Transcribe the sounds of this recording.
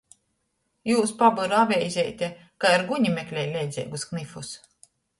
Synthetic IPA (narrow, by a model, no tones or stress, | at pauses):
juːspabɨɾavʲɛjzʲɛjt̪ʲɛ | kaiɾɡuɲimʲɛklʲɛjlʲɛjd̪zʲɛ̰jɡusknifus